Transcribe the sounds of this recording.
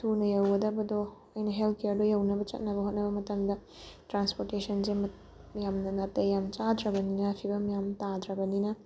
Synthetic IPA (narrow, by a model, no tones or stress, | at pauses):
tʰunɐjɐwɐdɐbɐdo | ɐjnɐɦeltʰkeɐɾdojɐwnɐbɐt͡ʃɐ̰t̚nɐbɐɦot̚nɐbɐmɐtɐmdɐ | tɾanspoɾtesʰɐnsemɐ | jamnɐnɐtːɐjamt͡ʃadɾɐbɐninɐpʰibɐmjamtadɾɐbɐninɐ